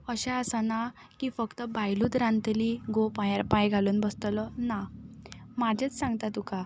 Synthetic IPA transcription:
əɕaəsana | kifəkt̪əbajluːt̪ɾãnt̪liɡopajaɾpajɡʱaluːnbəst̪lɔna | mad͡ʑʱet͡ssãŋɡt̪at̪uka

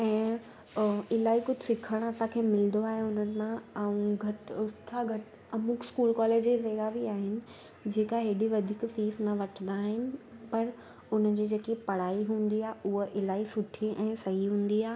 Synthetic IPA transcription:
ɛ̃ː | ɪlaːikʊd͡ʑʱɪsɪkʰəɽ̃ɐsãkʰeːmɪld̪oaːɦeʊnənɪ̆mãɐũɡʱɐʈʊst̪ʰaɡʱɐʈ | ɐmukʰskuːlkɔːleːd͡ʑezeːɽaʋiaːɦɪnɪ̆ | d͡ʑeːkaɦeːɗiʋɐd̪ʱiːkfiːsnɐʋɐʈʰnd̪aːɦɪnɪ̆pɐɾ | ʊn̤ə̆d͡ʑiːd͡ʑeːkipɐɽ̤aːiɦũːn̆d̪iaːɦeʔʊɦəʔɪlaːisʊʈʰiʔɛ̃ːsɐɦiɦũːn̆d̪iaː

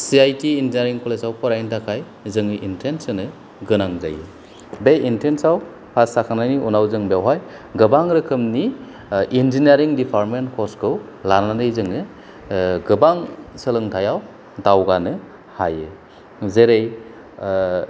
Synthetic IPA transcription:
siajtiːnzineɾiŋkʰɔlesawpʰɔɾajntʰakʰaj | zɯŋɯʔintʰensɯnɯ | ɡɯnaŋza̰jɯ | beintʰensaw | pʰasakʰanajniʔunawzɯŋbeawɦajɡɯbaŋɾɯkʰɯmni | inzineɾiŋdipʰaɾmentkʰɔskʰɯw | lananɯjzɯŋɯ | ɡɯbaŋsɯlɯŋtʰajaw | dawɡanɯ | ha̰jɯ | zeɾej

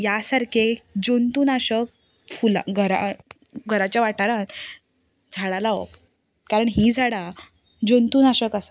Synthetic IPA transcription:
jasaɾkʰed͡ʑont̪uːnaɕək | fula̰ɡʱəɾa̰ | ɡʱəɾat͡ɕjaʋaʈaɾat̪ | d͡zʱaɽalao̰ | kaɾəɳɦiːd͡zʱaɽa | d͡ʑont̪uːnaɕəkasa

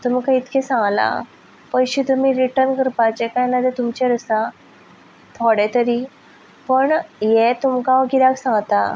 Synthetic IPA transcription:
t̪um̤ikait̪kʰesãŋɡla̰ | pəjɕit̪umiɾiʈəɾnkəɾpat͡ɕekajnad̪ʱet̪umt͡ɕɛɾəsa | t̪ʰɔɽet̪əɾiː | pəɳjet̪umkãʋɡilaksãŋɡt̪a̰

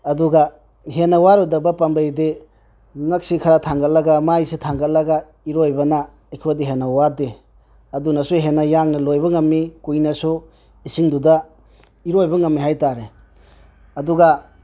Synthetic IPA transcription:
ɐduɡa | ɦenawaɾudɐbɐpambejde | ŋɐk̚sikʰaɾatʰaŋɡɐlɐɡamajsitʰaŋɡɐtlɐɡa | iɾojbɐna | ekʰwadiɦenɐwade | ɐdunɐsuɦenːɐjaŋnɐlojbɐŋɐmːikujnɐsu | isiŋduda | iɾojbɐŋɐmːiɦajtaɾe | ɐduɡa

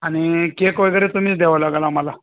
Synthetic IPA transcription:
añikekojɡəɾet̪um̤iːt͡sd̪eʋalaɡalaməla

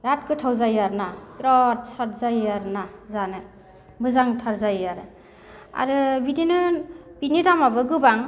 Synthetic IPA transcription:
ɾat̚kʰɯtʰawzajaɾnapɾɔt̚sat̚ʰzajaɾnazanɯ | bɯzaŋtʰaɾzajaɾɯ | a̰ɾɯbidinɯb̥inidamabɯɡɯbaŋ

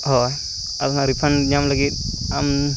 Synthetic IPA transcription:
ɦɔj | atnaɾipʰanɲamlaɡit̪̚am

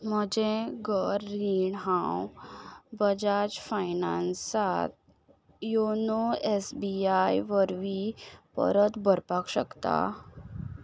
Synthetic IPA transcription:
m̤əd͡ʑẽɡəɾːiɳɦãw | bəd͡ʑad͡ʑfajnansat̪̚ | jonoesbiajʋəɾʋipə̰ɾət̪bʱəɾpakɕə̰kt̪a̰

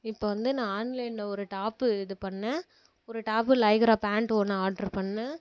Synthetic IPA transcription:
ɪpːoːʋɐnd̪ɯnãːaːnlɐɪnɐɔɾɯʈaːpːɯɪðɯpɐɳːɛ̃ | ɔɾɯʈaːp̬ːɯlɐɪɣɐɾaːpaːɳʈoːnɐ̃aːɖɐɾpɐɳːɛ̃

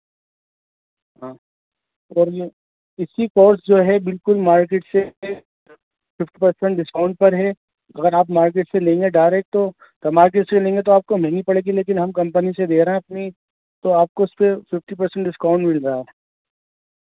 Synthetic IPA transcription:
ɦãː | ɔːɾje | ɪsikoːɾsd͡ʒoːɦɛbɪlkʊlmaːɾkeːʈse | fɪfʈipɐɾsɛ̃ɳʈɖɪskaːʊ̃ɳʈ̚pɐɾɦɛ | ɐ̰ɡəɾaːpmaːɾkeːʈselẽːŋɡeɖaːɪɾeːk̚ʈt̪o | t̪ɐmaːɾk̬eːʈselẽːŋɡet̪oaːp̚komɛŋɡipɐɽeːɡileːkɪnɦɐmkɐ̃mpənised̪eːɾɐɦɛ̃ɐpni | t̪oaːp̚koɪspefɪfʈipɐɾsɛ̃ɳʈɖɪskaʊ̃ɳʈmɪlɾaɦa

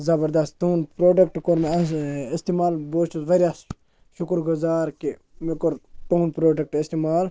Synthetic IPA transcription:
zɐbɐɾd̪ɐst̪t̪unpɾoːʈekʈkoɾmeist̪imaːlboːt͡ʃusʋɐɾʲjas | ʃʊkɾɡʊzaːɾki | mikoɾt̪unpɾoːʈek̚ʈist̪imaːl

